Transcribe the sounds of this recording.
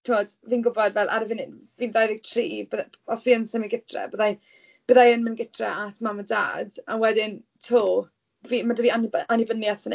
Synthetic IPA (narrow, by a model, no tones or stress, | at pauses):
tʰɪmɔd | viːnɡʊbɔdvɛlˠʔa̰ɾəvɪnɪdviːnðajðɪɡ̚tʰriːbəð | ɔsviːənsɛminɡɪtʰrɛ̰bəðaj | b̥əðajənmənɡɪtʰrɛ̰ʔatʰmaməda̰ːdawɛdɪntʰoː | viːmadəviːananɪbənjaθvən